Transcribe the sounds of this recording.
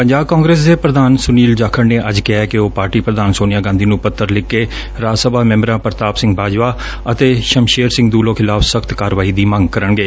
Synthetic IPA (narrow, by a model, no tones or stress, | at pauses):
pəɲd͡ʒaːb̚kãːŋɡɾeːs̬d̪eːpɾəd̪aːnsʊniːld͡ʒaːkʰəɽneːʔəd͡ʒkɪɦɛːkɪoːpaːɾʈiːpɾəd̪aːnsoːnɪjaːɡãːnd̪iːnũːpət̪ːəɾlɪkːeː | ɾaːsəbaːmɛ̃ːmɾãːpəɾt̪aːbsɪ̃ŋɡbaːd͡ʒʋaː | ət̪eːʃəmʃeːɾsɪ̃ŋɡd̪uːlõːkʰɪlaːfʰsəkʰt̪kaːɾʋaːiːd̪iːmə̃ŋɡkəɾəɳɡeː